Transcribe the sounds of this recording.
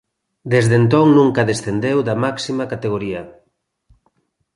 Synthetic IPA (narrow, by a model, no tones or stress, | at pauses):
d̪ezðent̪oŋnũŋkaðesθend̪ewðamaksimakat̪eɣ̞oɾiɐ